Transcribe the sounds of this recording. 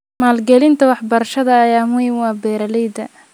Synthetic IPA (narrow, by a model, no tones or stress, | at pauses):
maːlɡɛlɪnt̪ʰɐwɑħbɐɾɐʃɐðɐːjaːmʊɪŋwɑːbɛːɾɐlɛjd̪ɐ̰